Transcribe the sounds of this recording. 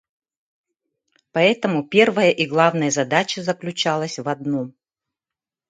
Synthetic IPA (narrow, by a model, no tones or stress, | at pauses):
pɐɛt̪əmʊpʲervəjəʔiɡlˠavnəjəzɐd̪at͡ɕəzəklʲʉt͡ɕalˠəsʲvɐd̪nu